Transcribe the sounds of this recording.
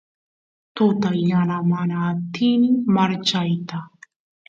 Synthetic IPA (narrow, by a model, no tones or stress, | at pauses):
t̪ʊt̪ajanamanaːt̪inɪmaɾt͡ʃajt̪a